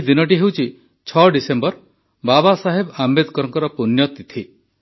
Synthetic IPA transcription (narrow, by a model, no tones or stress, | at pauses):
d̪inɔʈ̬iɦewt͡ʃʰi | t͡ʃʰɔɖisembɔɾ | babasaɦebambed̪ʱkɔɾɔŋkɔɾɔpunjɔt̪it̪ʰi